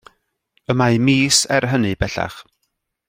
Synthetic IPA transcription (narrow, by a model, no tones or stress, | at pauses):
əmajmiːsɛrɦənɨb̥ɛɬa̰χ